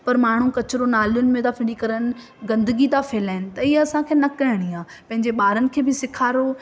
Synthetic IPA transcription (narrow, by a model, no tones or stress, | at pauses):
pɐɾmaːɳ̤ukɐt͡ɕɪɾonaːlijʊnɪ̆mẽt̪afʰɪɽikɐɾəñɪ̆ | ɡɐ̃nd̪əɡit̪afɪːlaːɪnɪ̆t̪ɐiːɐsãkʰeːnɐkɐɦɪɽ̃iaː | pɐ̃ɦɪ̃ɲd͡ʑeɓaːɾənɪ̆kʰeːbɪsɪkʰaːɾo